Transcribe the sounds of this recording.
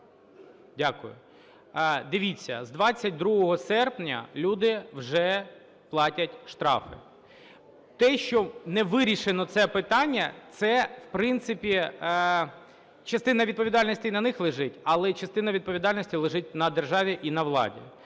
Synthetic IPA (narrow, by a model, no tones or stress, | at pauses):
dʲakʊjʊ̰ | d̪ɪʋʲit͡sʲːɐ̰zd̪ʋɑt͡sʲːɐt̚ʲd̪ɾuɦɔɦɔsɛrpnʲɐ̰lʲud̪ɪwʒɛ | plˠɑtʲɐtʲʃt̪ɾɑ̰fɪ̰ | t̪ɛʃt͡ʃɔnɛʋɪɾʲiʃenɔt̪sɛpɪt̪ɑnʲːɐt̪sɛwpɾɪnt̪sɪpʲi | t͡ʃɐst̪ɪnɐʋʲid̪̚pɔʋʲid̪ɑlʲnɔsʲtʲiinɐnɪxlˠɪʒɪtʲɐlˠɛt͡ʃɐst̪ɪnɐʋʲid̪̚pɔʋʲid̪ɑlʲnɔsʲtʲilˠɪʒɪt̚ʲnɐd̪erʒɑʋʲiʔinɐʋlˠɑ̰dʲḭ